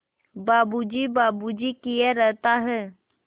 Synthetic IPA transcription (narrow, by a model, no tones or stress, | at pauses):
baːbud͡ʒibaːbud͡ʒikieɾɛɦt̪aɦɛː